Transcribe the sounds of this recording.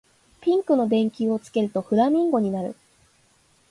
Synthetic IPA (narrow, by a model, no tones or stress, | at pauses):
pʲĩŋkɯ̟no̞d̪ẽ̞ŋkʲio̞t͡sɨ̥ke̞ɾɯ̟t̪o̞ɸɯ̟ɾamʲĩŋɡo̞ɲ̟inaɾɯ̟̰